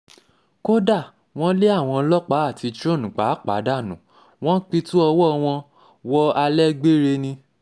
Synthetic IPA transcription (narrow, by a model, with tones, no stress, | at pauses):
ko˦da˦˨ | w̃ɔ̃˦le˦a˦˨w̃ɔ̃˧lɔ˦k͡pa˦a˦˨ti˧t͡ʃɾõ˦˨nũ˨k͡pa˨˦˨k͡pa̰˨˦da˦˨nũ˨˦ | w̃ɔ̃˦k͡pi˧tu˦ɔ˧wɔ˦˧w̃ɔ̃˧ | wɔ˦a˧lɛ˦ɡ͡be˦ɾe˧nĩ˧